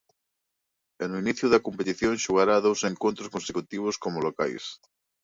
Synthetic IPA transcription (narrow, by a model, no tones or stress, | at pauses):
enuiniθjuðakompet̪iθjonʃuɣaɾaðowseŋkont̪ɾoskonsekut̪iβ̞oskomoloka̰js